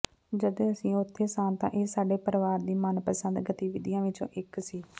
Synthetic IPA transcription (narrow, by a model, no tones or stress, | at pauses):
d͡ʒəd̪ẽːəsĩːʊt̪ʰːeːsãːnt̪ã̰ːʔeːsaːɖeːpəɾʋaːɾd̪iːmənpəsə̃nd̪ɡət̪iːʋɪd̪ɪjãːʋɪt͡ʃõ̰ːʔɪksiː